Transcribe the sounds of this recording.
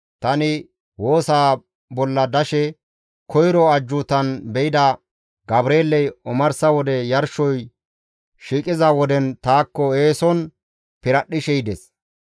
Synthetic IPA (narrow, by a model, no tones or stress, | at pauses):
t̪ɐnɪ | wo̞ːsaː | bɔlːɐd̪ɐʃɛ | kɔjɾɔɐd͡ʒːʊt̪ɐnbɛʔɪd̪ɐ | ɡɐbɾeːlːɛjɔmɐɾsɐwɔd̪ɛjɐɾʃɔj | ʃiːkʼɪzɐwɔd̪ɛnt̪aːkːɔeːsɔn | pɪɾɐɗɪʃɛjd̪ɛs